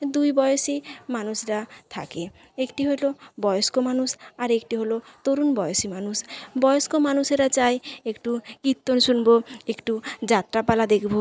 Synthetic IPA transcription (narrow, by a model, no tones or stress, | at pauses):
d̪ujbɔjoʃimanuʃɾat̪ʰa̰ke | ekʈiɦojlobɔjoskomanuʃaɾekʈiɦolot̪oɾunbɔjoʃimanuʃbɔjoskomanuʃeɾat͡ɕajekʈukit̪ːonʃunboekʈud͡ʑat̪ːɾapalad̪ekʰbo